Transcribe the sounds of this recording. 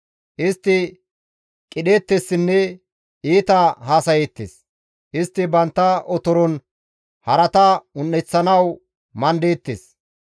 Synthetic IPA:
ʔɪst̪ːɪ | kʼɪɗeːt̪ːesːɪnːɛ | iːt̪ɐhaːsɐjet̪ːḛs | ʔɪst̪ːɪbɐnt̪ːɐʔɔt̪ɔɾɔn | hɐɾɐt̪ɐʊnːɛt͡sːɐnɐw | mɐnd̪eːt̪ːes

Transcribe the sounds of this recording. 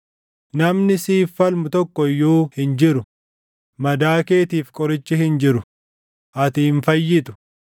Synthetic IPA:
nɐmnɪsiːfːɐlmʊt̪ɔkːɔjːuːhɪnd͡ʒɪɾʊ | mɐd̪aːke̞ːt̪iːfkʼɔɾɪt͡ʃːɪhɪnd͡ʒɪɾʊ | ʔɐt̪iːnfɐjːɪt̪ʊ̥

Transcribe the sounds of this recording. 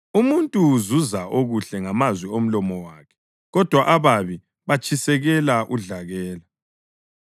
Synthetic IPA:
umuntʼuzuzaʔoɣuɬɛŋamazwiom̩lɔmɔwakʰɛ̥ | ɣɔd̥ʱwaʔaβaβi | βat͡ʃʰʼisɛɣɛlaʔuɮaɣɛːla

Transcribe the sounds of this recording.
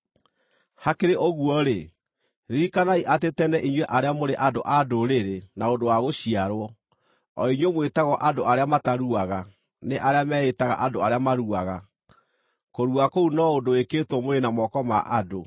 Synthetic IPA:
hakeɾeʔoɣuɔɾe | ɾikanaiʔatetɛnɛʔiɲweʔaɾeamoɾeʔadoʔadoɾeɾenaondowaɣoɕiaɾwɔ | ɔiɲwemwetaɣɔʔadoaɾeamataɾuaɣa | neʔaɾeamɛːetaɣa̰ʔadoaɾeamaɾuaɣa | koɾuakounɔodoekeːtwɔmoɾenamɔkɔma̰ʔado

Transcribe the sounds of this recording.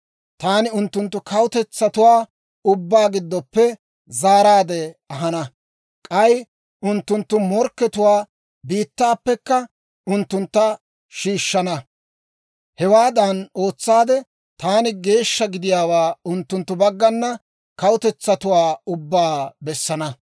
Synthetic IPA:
t̪aːnɪʊnt̪ːʊnt̪ːʊkɐwʊt̪ɛt͡sːɐt̪ʊwaː | ʊbːaːɡɪd̪ːɔpːɛ | zaːɾaːd̪ɛɐɦɐnɐ | kʼɐj | ʔʊnt̪ːʊnt̪ːʊmɔɾkːɛt̪ʊwaː | biːt̪ːaːpːɛkːɐ | ʊnt̪ːʊnt̪ːɐ | ʃiːʃːɐnɐ | hɛwaːd̪ɐno̞ːt͡sːaːd̪ɛ | t̪aːnɪɡe̞ːʃːɐɡɪd̪ɪjaːwaːʊnt̪ːʊnt̪ːʊbɐɡːɐnːɐ | kɐwʊt̪ɛt͡sːɐt̪ʊwaːʊbːaːbɛsːɐnɐ

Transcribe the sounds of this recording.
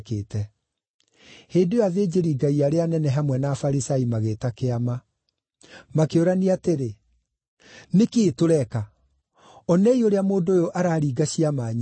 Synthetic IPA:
keːtɛ | heːdojaðeːd͡ʑeɾiːɡaiaɾeanɛnɛɦamwɛnafaɾisaimaɣeːtakeama | makeoɾaniateɾe | nekeːtoɾɛka | ɔnɛioɾeamoːndoːjoʔaɾaːɾiːɡaɕiamaːɲ

